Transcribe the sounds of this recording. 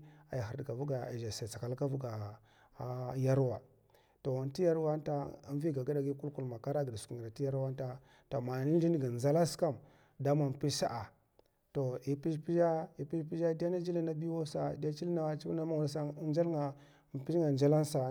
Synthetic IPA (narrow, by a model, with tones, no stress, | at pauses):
a˨jɦi˨dka˨vu˦ɡa˨a̰˨ʒa˨sa˨t͡sa˨ka˨lka˦vu˦ɡa˨˦ | ja˦ɾwa˨ | to˨a˨nti˦ja˦ɾwa˦ta˦a˦n˦vi˦ɡa˨ɡa˦da˨ɡi˦ku˦lku˨lma˨ka˦ɾa˦ɡi˨da˨su̥˨u˨a˨ti˦ja˦ɾwa˦n˦ta˦ | to˨ma˨ni˦n˦i˦n˦ɡi˨za˦la˦ska˦m | da˦ma˨m˨pi˦sa̰˦ʔa˨ | to˨i˨pi˦ʃpi˦d͡ʒa˦i˨pi˦pi˦d͡ʒa˦di˦a˦na˦d͡ʒi˦li˦na˦bi˦wo˦sa˨da˦t͡ʃi˦li˦na˦t͡ʃi˦bna˦ma˦wu˨la˦sa˦n˦d͡ʒa˦lŋa˨ | m˨pi˦ŋa˨nd͡ʒa˦la˦nsa˨